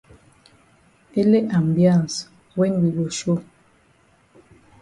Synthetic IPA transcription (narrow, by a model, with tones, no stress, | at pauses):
e˦le˦ʔa˨mbjã˦˨n˨s | wɛ˦nwi˨bo˨ʃo˦